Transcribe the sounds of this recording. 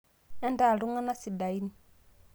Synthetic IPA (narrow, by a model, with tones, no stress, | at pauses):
ɛ˦nda˦˨lu˦ŋa˦na˦si˨da˨i˦ni˨